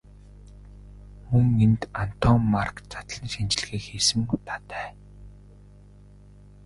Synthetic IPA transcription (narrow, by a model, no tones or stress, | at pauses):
muŋent̪an̥t̪ʰɔːmːarkt͡sḁt̪ə̆ɮniːʃant͡ɕɪ̆ɮ̆ɣeːkxeːsɘ̆mut̪ʰḁːt̪æː